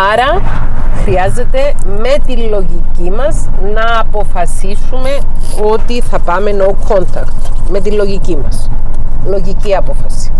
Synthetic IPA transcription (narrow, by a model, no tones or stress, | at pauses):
ɐɾɐ | xɾiɐze̞t̪e̞me̞t̪illo̞ʝicimɐznɐːpo̞fɐsisume̞ | o̞t̪iθɐpɐme̞no̞kʰo̞nt̪ɐkt̪me̞t̪ilo̞ʝicimɐslo̞ʝiciɐpo̞fɐsi̥